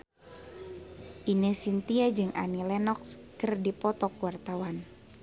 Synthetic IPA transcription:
ʔinesint̪iad͡ʒɨŋa̰nilɛnɔkskərdipɔt̪ɔkuwart̪awan

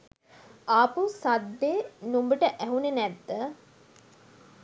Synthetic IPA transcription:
aːpusad̪ːeːnumbəʈəʔæɦunenɛd̪ːə

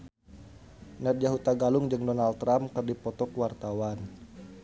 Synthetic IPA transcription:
nar̚d͡ʒaɦut̪aɡalʊŋd͡ʒɨŋdɔnalt̪ːɾamkɨrdipɔt̪ɔkwart̪awan

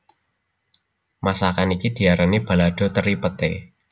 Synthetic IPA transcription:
masakanikid̪̥i̤aɾanib̥a̤laɖ̥ɔ̤t̪əɾipət̪ḛ

